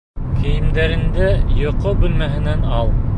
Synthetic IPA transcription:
kʰɘ̆jɘ̆md̪æɾɘ̆nd̪æjŏqobʉlmæɦɘ̆nænɑlˠ

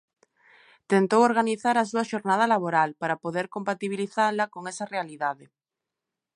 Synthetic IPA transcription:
t̪ent̪owoɾɣaniθaɾasuaʃoɾnað̞alaβoɾalpaɾapoðeɾkompat̪iβ̞iliθaɾlakoŋesarealiðaðe

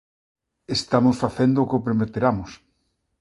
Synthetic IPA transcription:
est̪amʊsfaθend̪ʊkopɾemet̪eɾamʊs

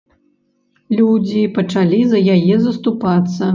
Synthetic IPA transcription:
lʲud͡zʲipɐt͡ʂalʲizɐjajɛzɐst̪upat̪sːɐ

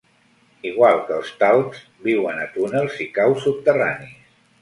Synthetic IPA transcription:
iɣwalˠkəlˠst̪alˠz | biwənət̪unəlˠzikawsup̚t̪əranis

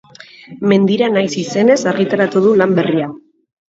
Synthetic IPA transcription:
me̞nd̪iɾanajsise̞ne̞saɾɣit̪aɾat̪uð̞ulambe̞ria

